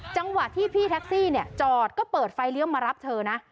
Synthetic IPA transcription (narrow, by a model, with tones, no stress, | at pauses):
t͡ɕa˧ŋwa˨˩ʔt̪ʰiː˥˩pʰiː˥˩t̪ʰɛ˦˥k̚siː˥˩ni˥˩ət͡ɕɔː˨˩t̪̚kɔː˥˩pɤː˨˩t̪̚fa˧jli˦˥əwmaː˧ɾa˦˥p̚t̪ʰɤː˧na˦˥ʔ